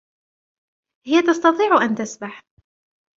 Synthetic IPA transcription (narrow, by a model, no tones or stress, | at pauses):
hɪjat̪ɑst̪ɑt̪ˤiːʕʔant̪asbaħ